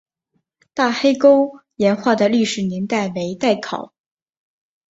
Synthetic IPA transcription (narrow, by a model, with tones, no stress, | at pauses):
t̪a˥˩xe˥ɪko˥ʊjɛ˧˥nxwa˥˩d̪ə˩ly˥˩ʂɻ̩˨˩nɛ˧˥nt̪a˥˩ɪwe˧˥ɪt̪a˥˩ɪkʰɑ̰˨˩˦ʊ